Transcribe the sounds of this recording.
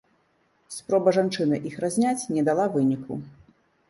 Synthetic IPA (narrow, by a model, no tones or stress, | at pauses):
spɾɔbɐʐant͡ʂɨnɨʔixɾazʲnʲat͡sʲnʲɛd̪alˠavɨnʲikʰṵ